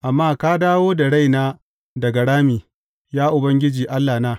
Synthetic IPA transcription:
ʔa˨mːaː˦kaː˦daː˦woː˦da˨ɽa˦jnaː˦ | dɐ˨ɡa˨ɽaː˦miː˨ | jaː˦ʔʊ˨bɐ˦ŋɡʲɪ˦d͡ʒiː˨ʔa˦lːaː˨naː˦

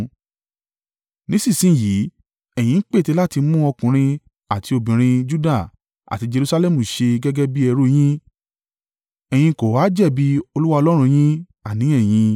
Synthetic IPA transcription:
nĩ˨˦sĩ˦˨sĩ˦˨ji˨˦ | ɛ˨j̃ĩ˧n̩˦k͡pe˦˨te˧˦la˦ti˧mũ˦ɔ˧kũ˨ɾ̃ĩ˧ | a˨ti˧o˧˨bĩ˨ɾ̃ĩ˧d͡ʒu˦da˦˨ | a̰˨ti˧d͡ʒe˧ɾu˧sa˧lɛ˦mũ˨ʃe˧ɡɛ˦ɡɛ˦bi˦ɛ˧ɾu˦j̃ĩ˦ | ɛ˨j̃ĩ˧ko˨waː˨˦d͡ʒɛ˦˨bi˦o˧lu˦wa˧ɔ˧lɔ˦ɾ̃ũ˧j̃ĩ˦ | a˦˨nĩ˨˦ɛ˦˨j̃ĩ˧

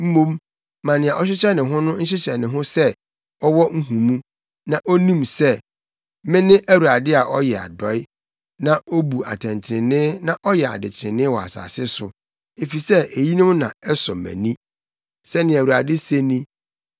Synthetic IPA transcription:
m̩˦mõ˦m | mã˨nɪ̃˨ã˨ʔɔ˦ɕ̬ᶣɪ˦ɕɛ˦nɪ̃˨ɦʊ̃˦nʊ̃˦n̩˦ɕɪ˦ɕɛ˨nɪ̃˨ɦʊ̃˦sɛ˦ | ɔ˦wɔ˦ŋ̩˦ɦũ˨mũ˦ | nã˨ʔo˦nĩ˦msɛ˦ | mɪ̃˦nɪ̃˦ʔæ˦wu˨ɾa˨dɪ˦a˨ʔɔ˦jɛ˨a̰˨dɔ˨˦ɪ˦ | nã˦o˦bu˨a̰˨tʰɛ̃˨nt͡ɕʰɪ˨ɾɪ̃˨nɪ̃˦nã˦ʔɔ˦jɛ˨a̰˨dɪ˨t͡ɕʰɪ̃˨nɪ̃˦wɔ˨a̰˨sa̰ː˨sɪ˦sʊ˨ | e˨fi˨sɛ˦e˨ji˦nʊ̃˦mnã̰˨ɛ˦sɔ˨mæ̰̃˨nĩ˦ | sɛ˦nɪ̃˨æ˨wu˨ɾa˨dɪ˦se˦nĩ˦

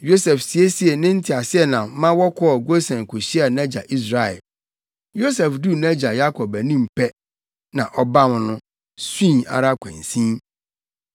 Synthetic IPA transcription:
jo˦sɛ˨fsi˨e˦si˦e˨nɪ̃˦n̩˦tʰɪ˨a˨sɪ˦ɛ˨nã˨˦mã˦wɔ˦kʰɔ˦ɔ˨ɡo˦sɛ̃˨n˨kʰʊ˨ɕi˦a˨næ̃˦d͡ʑa˨ʔi˦s̬ɾa˨ɛ̰˨l | jo˦sɛ˨fdu˦næ̃˦d͡ʑa˨ja˦kʰɔ˨bæ˨nĩ˦m˨pʰɛ˦ | nã˨ʔɔ˦ba˦m̃˨nʊ̃˦ | sĩ˦˨a̰˨ɾa˦kʷʰɛ̰̃˨n˨sĩ˦m

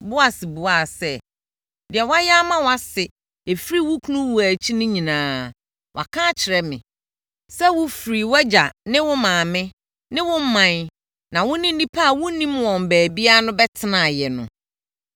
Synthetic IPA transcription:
bʊ˦a˦˨sɪ˨bu˨a˦˨sɛ˦ | dɪ˨ɛ˨wa˦ja˦mã˦wa˦sɪ˨ | e˨fɾi˦wʊ˦kʰu˦nũ˦wu˨æ˨t͡ɕʰi˦nʊ̃˦ɲĩ˨nãː˨˦ | wʔa̰˨kʰã˦t͡ɕʰɪ˨ɾɛ˦mɪ̰̃˨ | sɛ˦wʊ˦fɾi˨wɛ˦d͡ʑa˨nɪ̃˦wʊ̃˦mãː˨mɪ̃˦ | nɪ̃˦wʊ̃˦m̩˦mã˨n˦ | nã˨wʊ̃˦nĩ˦nː˦ĩ˦pʰa˦˨wʊ̃˦nĩ˦mwɔ̃˨m˨bæː˨bi˦a˦nʊ̃˦bɛ˦tʰɪ˦nã˨jɛ˨nʊ̰̃˨

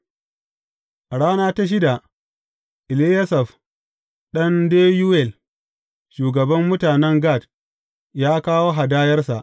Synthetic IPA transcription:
ʔa˨ɽaː˦naː˦ta˦ʃ̬ɪ˦da˨ | ʔɪ˨li˦jɐ˦sɐ˨ɸ | ɗɐ˦ndeː˦ju˦wɛ˦˨l | ʃuː˨ɡɐ˨bɐ˦mːʊ˦taː˨nɛ˦ŋɡaː˦˨d | jaː˦kaː˦woː˦ɦa˨daː˦jɐ˦rsa˨ʔ

